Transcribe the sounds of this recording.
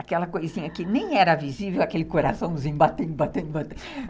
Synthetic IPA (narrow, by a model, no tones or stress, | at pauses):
akɛlɐkojzĩɲɐkɪnẽj̃ɛɾɐvizivewakelɪkoɾasɐ̃w̃zĩɲbat̪ẽnd̪ʊbat̪ẽnd̪ʊbat̪e